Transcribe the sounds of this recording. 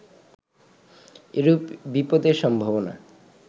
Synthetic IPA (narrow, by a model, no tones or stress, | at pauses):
eɾubipod̪eɾʃɔmbʱobona̰